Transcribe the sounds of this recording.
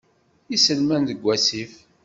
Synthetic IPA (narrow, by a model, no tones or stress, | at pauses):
isəlmænðəɡʷːæsif